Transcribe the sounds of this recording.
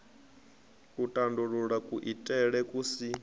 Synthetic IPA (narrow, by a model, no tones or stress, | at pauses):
utʼanduɺuɺakʼuʔitʼɛɺɛkʼusi